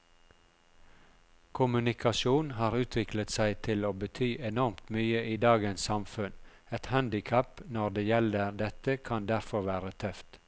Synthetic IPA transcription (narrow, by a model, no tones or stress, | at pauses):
kʰʊmʉnɪkʰɑʃuːnhɑːɾʉːt̪ʰʋɪklət̪sæɪt̪ʰɪloːbət̪ʰyːʔɛnɔɾmt̪myːəʔiːd̪ɑːɡənssɑmfʉn | ɛt̪hænd̪ɪkʰæpnɔɾd̪eːjɛləɾd̪ɛt̪əkʰɑnd̪æɾfɔɾʋæːɾət̪ʰœft̪